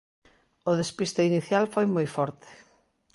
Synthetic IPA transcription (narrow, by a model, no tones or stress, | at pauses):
oðespist̪ɐiniθjalfojmojfɔɾt̪e̥